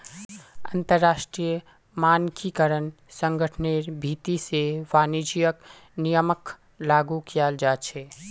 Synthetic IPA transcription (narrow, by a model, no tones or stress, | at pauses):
ə̰nt̪əɾːasʈɾijə | mankikəɾən | səŋɡəʈʰneɾbʱit̪iseʋanid͡ʒijək | nijəmək | laɡukijald͡ʒat͡ʃʰɛ